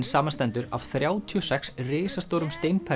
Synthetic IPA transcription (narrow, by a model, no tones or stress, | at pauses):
nsaːmanst̪ɛnt̪ʏɾa̰v̥θɾjaːwt̪ʰyɔsɛksrɪːsast̪owɾʏmst̪ejnpʰɛ